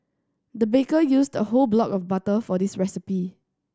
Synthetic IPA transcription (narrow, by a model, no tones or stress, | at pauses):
dəbekəjusdəholblɔkɔfbatəfɔdisɹɛsipi